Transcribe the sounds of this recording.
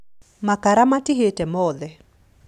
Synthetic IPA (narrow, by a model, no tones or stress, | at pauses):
makaɾamatɪɦetɛmɔðɛ